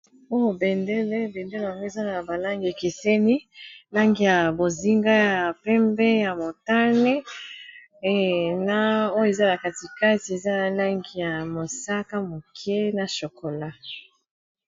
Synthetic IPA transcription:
o˦jo˨bɛ˨nde˦le˦bɛ˨nde˦le˦wa˨ŋɡo˦e˨za˦na˨ba˨la˦ŋɡe˨ke˨se˦ni˦la˦ŋɡi˨ja˨bo˨zi˦ŋɡa˦ja˨pɛ˦mbɛ˦ja˨mo˨ta˦ne˦˨ | na˦˨o˦je˨za˦la˨ka˨ti˨ka˦ti˨e˨za˦na˨la˦ŋɡi˨ja˨mo˨sa˦ka˦mo˨kʰɛ˦na˨ʃo˨ko˨la˦

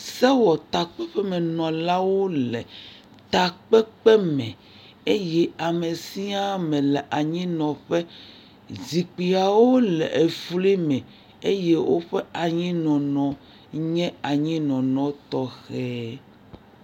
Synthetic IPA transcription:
sɛ˦wɔ˨t̪a˨k͡pɛ˦ɸɛ˦mɛ˨nɔ̃˨la˦wo˦lɛ˨ | t̪a˨k͡pɛ˦k͡pɛ˦mɛ̰̃˨ | e˦jɛ˦a˨me˨si˦a˦mɛ̃˨lɛ˨ʔa˨ɲĩ˦nɔ̃˨ɸɛ˦ | zi˨k͡pi˨a˨wo˦lɛ̰˨ʔe˨fu˦li˦mɛ̃˨ | e˦jɛ˦wo˦ɸɛ˦a˨ɲĩ˦nɔ̃˨nɔ̃˨ | ɲɛ̃˦a˨ɲĩ˦nɔ̃˨nɔ̃˨t̪ɔ˦xɛ˦

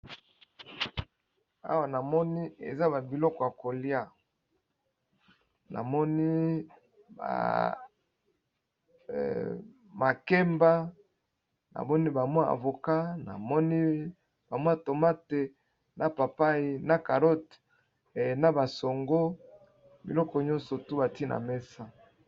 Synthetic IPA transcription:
a̰˦wa˨na˨mɔ˦ni˦ḛ˨za˦ba˨bi˨lɔ˦kɔ˨ja˨ko˨lja˦ | na̰˨mɔ˦ni˦ | ba̰˨ | ma˨ke˦mba˦ | na̰˨mɔ˦ni˦ba˨mwa˦a̰˨vo˨ka˦na̰˨mɔ˦ni˦ | b̥a˨mwa˦to˨ma˦te˨ | na˨pa˨pa˦ji˦na˨ka˨ɾo˦t | na˦ba˨so˨ŋɡo˦ | bi˨lɔ˦kɔ˨ɲɔ̃˦nsɔ˨tu˦ba˨ti˦nʔa̰˨me˦sa˦

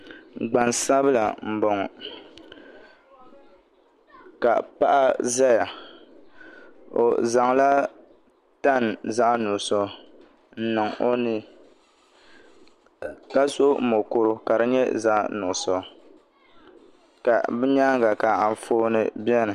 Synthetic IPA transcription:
ɡ͡ba˨nsa˦βɨ˦la˨m̩˨bo˨ŋɔ˨ | ka˨pa˦ʔa˦za˦ja˨ | o̰˨za˨ŋla˦ | ta˦˨n˨za˦ʔnʊ˨sɔ˦˨ | n̩˦nɨ˨ŋo˦ni˦ | ka˦so˦m˨mo˨ko˦ɾʊ˦ka˨ɾɨ˦ɲɛ˦za˦ʔnʊ˨ʔʊ˨sɔ˨ | ka˨bɛ˦ɲa˦ŋ˦ɡa˨ka˨a˨ɱ˨foː˦nɨ̰˦bjɛ˦nɨ˨

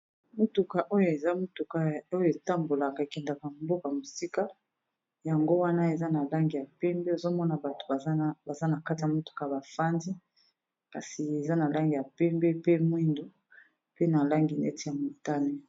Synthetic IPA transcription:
mu˦tu˨ka˨ʔo˦jo˨e˨za˦mo˦tu˨ka˨o˦jo˨e˨ta˦mbo˨la˨ka˨e˨kɛ˨nda˨ka˨mbo˦ka˨mo˨si˦ka˦ | ja˨ŋɡo˦wa˦na˦e˨za˦na˨la˦ŋɡi˨ja˨pɛ˦mbe˦o˨zo˦mɔ˦na˨ba˨to̥˨ba˨˦ba˨za˦na˨ka˦ti˨ja˨mo˦tu̥˨ka˨ja˨ba˨fa˦nzi˦ | ka˨si˨e˨za˦na˨la˦ŋɡi˨ja˨pɛ˦mbɛ˦pe˦mwi˦ndo˨ | pe˦na˨la˦ŋɡi˨nɛ̰˦ti˨ja˨mo˨ta˦ne˦

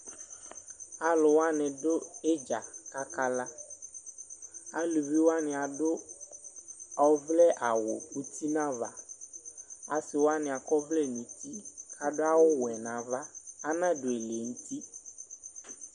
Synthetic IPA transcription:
a˨lʊ˨wa˦nɛ̃˨ɖo˦e˦d͡ʒa˨ka˦ka˦la˦ | a˦lu˨vi˦wo˦a˦nɪ̃˨a˨ɖo˦ | ɔ˨˦vlɛ˦ʔa˨wo˨u˦t̪ʰi˦nã˦va˦ | a˨sɪ˨wo˦a˦nɪ̃˨a˨kɔ˦vlɛ˦nũ˨t̪i˦ka˨ɖo˦a˦wo˦wɛ˨nã˨va˦a˦nã˦ɖo˨e˨le˨ŋũ˦t̪i˦

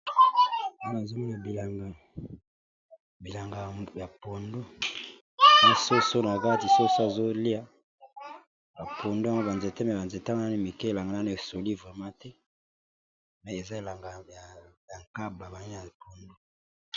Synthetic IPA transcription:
o˦n˨zo˦mi˦na˨bi˨la˨ŋɡa˨ | bi˨la˨ŋɡa˨ja˨po˨ndo˦ | mi˦so˦so˦na˨a˨ka˦ka˦ti˨so˦so˦a˨zo˦li˦a˦ | ba˨pʰo˨ndo˦a˦ŋɡo˦ba˨nze˨te˦mɛ˨ba˨nze˨tŋɡa˦ni˦˨mi˨ke˦e˨la˨ŋɡa˨na˦no˦e˨so˨li˦vʁɛ˨mã˦tɛ˦ | mɛ˨e˨za˦e˨la˨ŋɡa˨ja˨ja˨ŋka˦ba˨ba˨ni˦ja˨po˨ndo˦

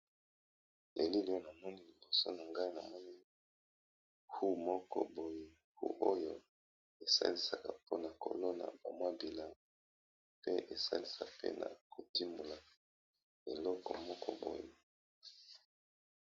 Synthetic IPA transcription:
le˨li˦li˦jo˦na˨mɔ˦ni˦li˨bo˨so˦na˨ŋɡa˦i˦na˨mɔ˦ni˦ | hu˦mɔ˦kɔ̰˦bo˨je˨ | hṵ˦ʔo˦jo˦ | e˨sa̰˦li˦sa˨ka˨po˦na˨ko̰˨lo˦na̰˨ba˨mwa˦bi˨la˦ŋ˨ | pe˦ʔe˨sa̰˦li˨sa˨pḛ˦na̰˨ko˨ti˦mu˨la˨ | e˨lɔ˦kɔ̰˨mɔ˦kʰɔ̰˦bo̰˨je˨

